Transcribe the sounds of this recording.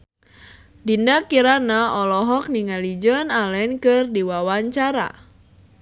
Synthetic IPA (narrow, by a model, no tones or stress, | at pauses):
dindakiɾanaɔlɔɦɔk̚niŋalid͡ʒɔnalɛnkɨrdiwawaɲt͡ʃaɾa̰